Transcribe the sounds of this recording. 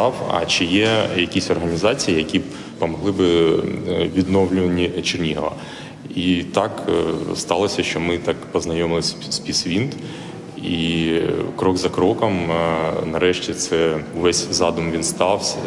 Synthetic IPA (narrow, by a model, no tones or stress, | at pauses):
ɑwɐ̰t͡ʃɪjɛjɐkʲisʲɔrɦɐnʲizɑt͡sʲijijɐkʲi | pɐmɔɦlˠɪbɪ | ʋʲid̪nɔwlʲʊʋɐnʲit͡ʃɪrnʲiɦʋɐ̰ | it̪ɑkst̪ɑlˠɔsʲɐʃt͡ʃɔmɪt̪ɑkpɔznɐjɔmɪlˠɪsʲ | sʲpʲisʋʲint̪ | i | kɾɔɡzɐkɾɔkɐmnɐɾɛʃtʲit̪sɛʊʋɛsʲzɑd̪ʊmʋʲinst̪ɑwsʲɐ